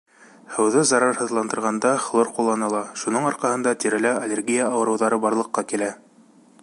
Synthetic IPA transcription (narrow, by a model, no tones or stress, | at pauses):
hɤ̆wðɤzɑɾɑɾhɤ̆ðlˠɑnd̪ɤ̆ɾʁɑnd̪ɑflˠoɾqulˠːɑnɑlˠɑʃunɤɴɑɾqɑhɤ̆nd̪ɑt̪iɾɘ̆læɐlʲeɾɡʲijaːwɤ̆ɾɤ̆wðɑɾɤbɑɾlˠɤ̆qːɑkilæ